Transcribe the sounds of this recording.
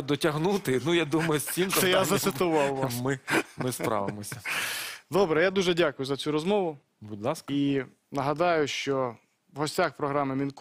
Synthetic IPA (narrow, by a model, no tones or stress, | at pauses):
d̪ɔtʲɐɦnut̪ɪnujad̪umɐjʊsʲtʲimzsɐɛjazɐsɪt̪ʊʋɑwʋsmɪmɪspɾɑ̰ʋɪmɔsʲɐd̪ɔbɾɛjad̪uʒɛdʲakʊjʊzɐt͡sʲuɾɔzmɔʋʊ | bʊdʲlˠɑski | nɐɦɐd̪ɑjʊʃt͡ʃɔ | ʋɦɔsʲtʲaxpɾɔɦɾɑmɪmʲink